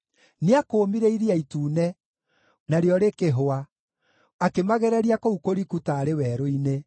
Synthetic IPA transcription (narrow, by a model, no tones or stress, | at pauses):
neakoːmiɾeiɾeaituːnɛ | naɾeɔɾekeɦoa | akemaɣɛɾɛɾiakoukoɾikutaːɾewɛːɾoine